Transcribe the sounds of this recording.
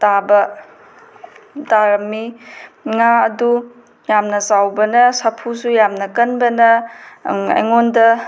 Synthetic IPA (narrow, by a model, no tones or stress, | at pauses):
tabɐ | daɾɐmːi | ŋaɐdu | jamnɐsawbɐnɐsɐpʰusujamnɐkɐnbɐnɐ | ɐ̰jŋondɐ